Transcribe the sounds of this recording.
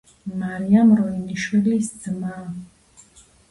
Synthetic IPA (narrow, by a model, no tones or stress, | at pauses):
maɾiamɾɔiniʃwilisd̪zma